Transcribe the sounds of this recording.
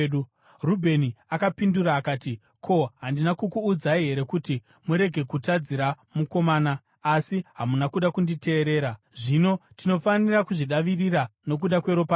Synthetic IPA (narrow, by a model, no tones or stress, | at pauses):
u | rubʱe̞niakapinduɾaːkaːti | kʰo̞ɦandinakukuːd͡zaiɦe̞ɾe̞kuti | muɾe̞ɡʱe̞kutad͡ziɾa | muko̞maːnaː | siɦamunakuɗakundite̞ːɾe̞ːɾa | ʐino̞tino̞fanirakuʐiɗaʋirirano̞k̬uɗakwe̞ɾopa